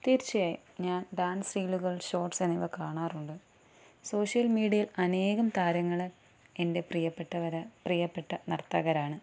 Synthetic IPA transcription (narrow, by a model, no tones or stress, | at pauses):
t̪iːrt͡ɕːijaːjḭ | ɲaːnɖaːnsriːluɣɐɭɕo̞ːrʈseniʋɐkaːɳaːruɳɖɨ | so̞ːʂjɐlmiːɽijɐjilɐne̞ːɣɐmt̪aːɾɐŋːɐɭ | e̞nde̞prijɐpːeʈːɐʋɐɾɐprijɐpːeʈːɐnɐrt̪ːɐːɣɐɾaːɳɨ